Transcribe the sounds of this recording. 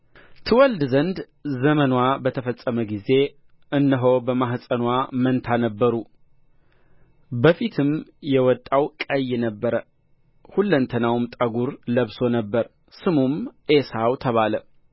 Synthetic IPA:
t̪ʰɨwɔld̪zənd̪ | zəmənwabət̪ʰəfəsʼːəməɡize̞ | ʔɨnːəɦobəmaɦhsʼənwamənt̪ʰanəbːəɾu | bəfit̪ʰɨmjɛwɔt̪ʼːawkʼəjːnəbːəɾə | hulːənt̪ʰənawmt̪ʼəɡuɾləβso̞nəbːəɾ | sɨmumʔesawt̪ʰəβalə

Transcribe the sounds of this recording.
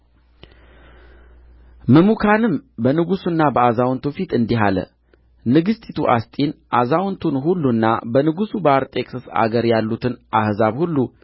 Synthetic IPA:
məmukʰanɨmbənɨɡusunːabəazawnt̪ʰufit̪ɨnd̪iɦalə̰ | nɨɡɨst̪ʼit̪ʰuʔast̪ʼinʔazawnt̪ʰunɦulːunːa̰bənɨɡusubəaɾt̪ʼe̞kʼsəsa̰ɡəɾjalːut̪ʰɨnʔahzaβhulːu

